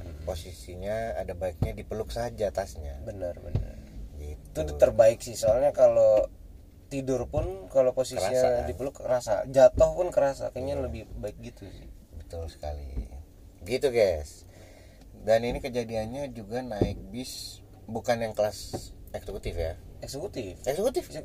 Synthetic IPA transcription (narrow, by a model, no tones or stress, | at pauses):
posisiɲa̰ːdabaɪk̚ɲadipəlʊksaɦat̪̚d͡ʒat̪asɲabənərbə̰nə̰rɡit̪ut̪ərbaɪksɪhsoalɲakalo | t̪idʊrpʊnkaloposisaiɲadipəlʊkəɾasa̰d͡ʒat̪ɔhpʊnkəɾasa̰kəɲaləbɪhbaɪk̚ɡit̪usɪ̰h | bət̪ʊlsə̥ka̰lḭ | ɡit̪uɡas | daninikəd͡ʒadianɲad͡ʒuɡanaɪk̚bɪs | bukanjaŋkəlasɛksəkut̪ɪfjaɛksəkut̪ɪfɛksəkut̪ɪfs